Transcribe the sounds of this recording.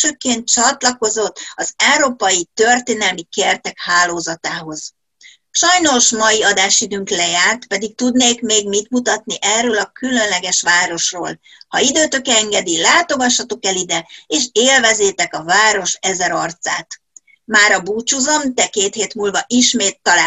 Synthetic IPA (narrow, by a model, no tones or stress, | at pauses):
øːkeːnt̪̚t͡ʃɒt̪lɒko̞zo̞t̪ːɒzɛwɾoːpɒjit̪ø̞rt̪eːnɛlmikert̪ɛkhaːloːzɒt̪aːɦo̞z̥ | ʃɒjno̞ʃmɒjiɒd̪aːʃid̪øːŋklɛjaːrt̪pɛd̪ik̚t̪ud̪neːkmeːɡmit̪mut̪ɒt̪niʔɛrːøːlɒkylø̞nlɛɡɛʃʋaːɾo̞ʃroːl | hɒid̪øːt̪ø̞kɛɛŋɡɛd̪ilaːt̪o̞ɡɒʃːɒt̪o̞kɛlid̪ɛeːʃeːlvɛzeːt̪ɛkɒvaːɾo̞ʃɛzɛɾɒrt̪saːt̪ | maːɾɒbuːt͡ʃuzo̞mt̪ɛkeːt̪heːt̪mulvɒʔiʃmeːt̪ːɒla